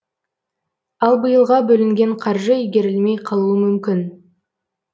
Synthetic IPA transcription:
ɑlˠbəjəlˠʁɑbɵlɪŋɡʲe̞ɴqʰɑɾʒəijɡʲe̞ɾɪlme̞jqʰɑlˠuəmʏmkʲɪn

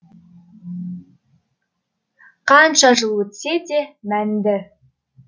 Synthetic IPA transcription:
qɑnʃɑʒəlˠwɵt̪sed̪e̞mænd̪ɪ

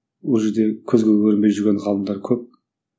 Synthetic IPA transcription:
wolˠʒe̞ɾd̪e̞kʲʰɵzɡʲelʲwɵɾɪnbe̞jʒʏɾɡʲenʁɑlˠəmd̪ɑɾkʲʰɵp̚

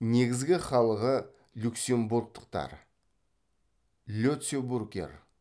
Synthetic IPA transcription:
ne̞ɡʲɪzɡʲɪχɑlˠəʁə | lʲuksemburk̚t̪ə̥q̚t̪ɑ̰ɾ | lʲut̪sʲeburɡʲḛr

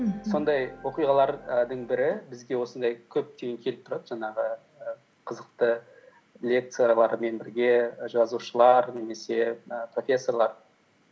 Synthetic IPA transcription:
so̞nd̪ɑjwo̞qijʁɑlˠɑɾəd̪əɴbɪɾɪbɪzɡʲe̞wo̞sənd̪ɑjkʲʰɵp̚t̪eɡʲeŋkʲʰe̞lɪp̚t̪ʰʊɾɑd̪ʒɑɴɑʁə | ə | qʰəzəq̚t̪ə | lʲe̞k̚t̪sɨjalˠɑɾme̞nbɪɾɡʲe̞ʒɑzuʃəlˠɑɾne̞me̞se̞əpro̞fʲe̞sːo̞rlˠɑɾ

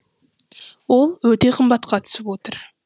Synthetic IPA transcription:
wo̞lˠwɵt̪e̞qʰəmbɑt̪qɑt̪ʰʏ̥sɪpwo̞t̪əɾ

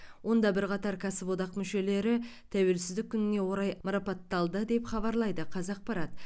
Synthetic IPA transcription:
wʔo̞nd̪ɑbɪɾqɑt̪ɑɾkʲʰæsɪpod̪ɑqmʏʃe̞le̞ɾɪt̪ʰæwe̞lsɪzd̪ɪk̚ʲʰːʏnɪne̞wo̞ɾɑjmɑɾɑpɑt̪ːɑlˠd̪əd̪e̞pχɑβɑɾlˠɑjd̪əqʰɑzɑq̚pɑɾɑt̪

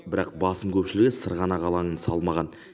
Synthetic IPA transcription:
bɪɾɑq̚bɑsəmkʲʰɵpʃɪlɪɡʲesəɾʁɑnɑʁɑlˠɑɴənsɑlˠmɑʁɑn

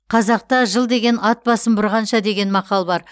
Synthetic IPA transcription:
qʰɑzɑq̚t̪ɑʒəlˠd̪e̞ɡʲe̞nɑt̪̚bɑsəmbʊɾʁɑnʃɑd̪e̞ɡʲe̞nmɑqɑlˠbɑɾ

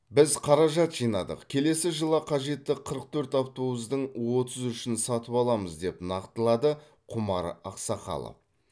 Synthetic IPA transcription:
bɪzqʰɑɾɑʒɑt̪ʒ̥ijnɑ̰d̪ə̰qkʲʰe̞le̞sɪʒəlˠɑqʰɑʒe̞t̪ːɪqʰəɾəq̚t̪ʰɵɾt̪ɑft̪owəzd̪əɴwo̞t̪ʰəzʏʃɪnsɑt̪əpɑlˠɑməzd̪e̞pnɑqt̪əlˠɑd̪ə | qʰʊmɑɾɑqsɑqɑ̰lˠə̰

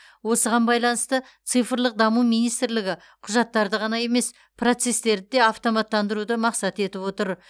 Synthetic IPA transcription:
wo̞səʁɑnbɑjlˠɑnəst̪ət̪sɨjfəɾlˠəq̚d̪ɑmumijnijst̪ɾlɪɡʲɪ | qʰʊʒɑt̪ːɑɾd̪əʁɑnɑje̞me̞s | pʰro̞t̪se̞st̪e̞ɾd̪ɪd̪e̞ɑft̪o̞mɑt̪ːɑnd̪əɾud̪əmɑqsɑt̪e̞t̪ɪpwo̞t̪əɾ

